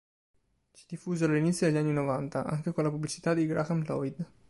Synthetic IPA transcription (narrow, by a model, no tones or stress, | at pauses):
t͡ʃi̥d̪ifːuːzealːinit̪sːjod̪elʎːanːinovant̪aʔa̰ŋkekonlapublit͡ʃi̥t̪ad̪iɡɾaxanlɔ̰jd̪